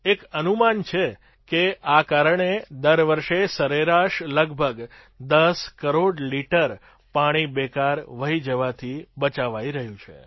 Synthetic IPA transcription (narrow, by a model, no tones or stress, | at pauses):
ekənumant͡ʃʰe | keakaɾəɳed̪əɾʋəɾʃesəɾeɾaʃləɡbʱəɡ | d̪əskəɾoɽliʈəɾ | paɽ̃ibɛkaɾʋəɦid͡ʒəʋat̪ʰibət͡ʃaʋaiɾəɦjũt͡ʃʰḛ